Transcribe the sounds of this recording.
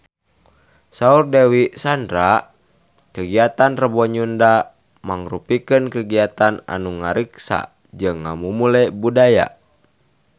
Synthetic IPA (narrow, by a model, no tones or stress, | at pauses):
saurdɛwisandɾa | kəɡiat̪anrəbɔɲunda | maŋrupikənkəɡiat̪ana̰nuŋaɾiksa̰ | d͡ʒɨŋːa̰mumulɛbudaja̰